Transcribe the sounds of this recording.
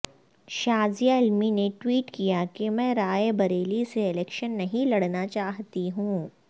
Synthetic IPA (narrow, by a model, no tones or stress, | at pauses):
ʃaːzijaɪlmineʈwiːʈkijakemɛ̃ːɾaːebɐɾeːliseɪlɛːkʃənːɐɦĩlɐɽnat͡ʃaːɦt̪iɦũː